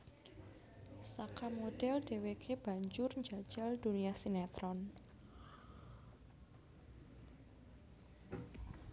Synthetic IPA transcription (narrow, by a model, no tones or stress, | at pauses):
sakamoɖ̥ɛlɖewekʰeb̥a̤ɲd͡ʒʊrɲd͡ʒḁd͡ʒ̥ald̥uniasinat̪ɾɔn